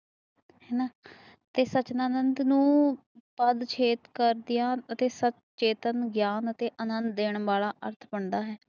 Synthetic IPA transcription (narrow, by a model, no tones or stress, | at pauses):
hɛːnaː | t̪eːsət͡ʃnaːnənd̪nũː | pəd̪t͡ʃʰeːt̪kəɾd̪ɪjãːət̪eːsət͡ʃ | t͡ʃeːt̪ənɡjaːnət̪eːʔənənd̪d̪eːɳʋaːlaːʔəɾt̪ʰbəɳd̪aːɦɛː